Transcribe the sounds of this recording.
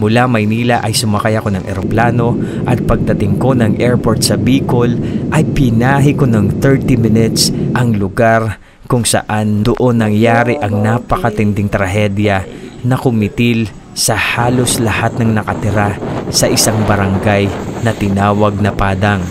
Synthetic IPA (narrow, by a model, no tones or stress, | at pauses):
mʊlamɐjniːlɐʔɐjsʊmɐkajɐko̞nɐŋʔɛɾoplaːno̞ | ʔɐt̪̚pɐɡ̚d̪ɐt̪ɪŋko̞nɐŋʔɛɹpo̞ɹt̪̚sɐbiːkolʔɐjpɪnaːɦɪko̞nɐŋθɛɹt̪imɪnɪt̪sʔɐŋlʊɡaɾ | kʊŋsɐ̰ʔand̪oʔo̞nːɐŋjaːɾɪʔɐŋnapɐkɐt̪ɪnd̪ɪŋt̪ɾɐɦɛd̪jɐnɐkʊmɪt̪ɪl | sɐhaːlo̞slɐhat̪̚nɐŋnɐkɐt̪ɪɾasɐʔɪsaŋbɐɾɐŋɡajnɐt̪ɪnaːwɐɡ̚nɐpaːd̪ɐŋ